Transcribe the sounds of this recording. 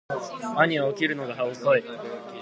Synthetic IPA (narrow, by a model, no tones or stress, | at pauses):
aɲ̟iaokʲiɾɯ̟no̞ɡaɦaosoi